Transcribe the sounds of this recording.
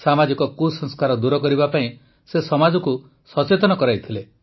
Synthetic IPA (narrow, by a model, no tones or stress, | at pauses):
samad͡ʒikɔkusɔ̃ŋskaɾɔd̪uɾɔkɔɾibapaĩ | sesɔmad͡ʒɔku | sɔt͡ʃet̪ɔnɔkɔɾajt̪ʰile